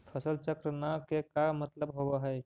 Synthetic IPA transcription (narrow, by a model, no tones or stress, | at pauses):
pʰəsəlt͡ʃəkɾənakekamət̪ləbɦobəɦɛɪ